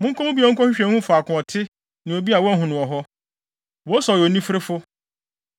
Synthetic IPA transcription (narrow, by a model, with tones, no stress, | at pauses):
mʊ̃˦ŋ˦kʰɔ˦mʊ̃˦bi˦ɔ̃˨˦ŋ̩˦kʰɔ˦ɕᶣɪ˦ɕᶣɛ̃˨˦hũ˦fʊ˨a˨kʰʊ̃˨ɔ˨tʰɪ˦ | nã˨o˨bi˦a˨wɔ˦ɦʊ̃˨nʊ̃˨ɔ˨ɦɔ˦ | wɔ˦sɔ˨jɔ˨nĩ˦fɾɪ˦fʊ˦